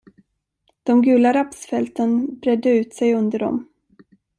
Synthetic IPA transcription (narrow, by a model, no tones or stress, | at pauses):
d̪̥ɔmɡʉ̟ːlaɾapsfɛlt̪ʰənbɾɛd̪ːəʉ̟ːt̪sɛjɵnd̪əɖɔ̰m